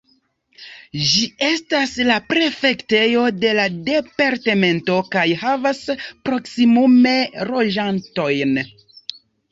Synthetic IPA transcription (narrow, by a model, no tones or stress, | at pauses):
d͡ʒie̞staslapɾe̞fe̞kte̞jo̞de̞lade̞paɾte̞me̞nto̞kajɦavaspɾo̞ksimume̞ɾo̞ʒanto̞jn